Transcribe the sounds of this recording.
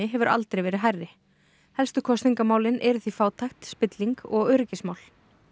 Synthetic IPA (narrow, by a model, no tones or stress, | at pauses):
ɪɦɛvʏɾʔa̰lt̪ɾejvɛːɾɪɦajrːɪ | hɛlst̪ʏkʰɔst̪iŋkamaːwlɪnʔɛɾʏθifaːwt̪ʰajxt̪spɪt̪liŋkɔɣœɾɪcɪsmaːwl